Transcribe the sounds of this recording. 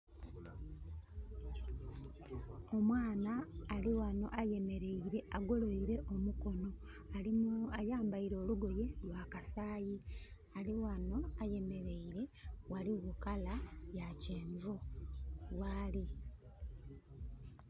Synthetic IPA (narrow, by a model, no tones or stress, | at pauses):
o̞mwaːnaːliwano̞̰ʔaje̞me̞ɾe̞iɾe̞ʔaɡo̞lo̞iɾe̞ʔo̞muko̞no̞ | alimajaːmbaiɾo̞ːluɡo̞je̞lwakasaːji | aliwano̞aje̞me̞ɾe̞iɾe̞waliɣukalajaceːɱvu | waːli